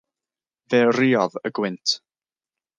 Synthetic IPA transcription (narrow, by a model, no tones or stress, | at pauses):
vɛːriːɔðəɡwɪntʰ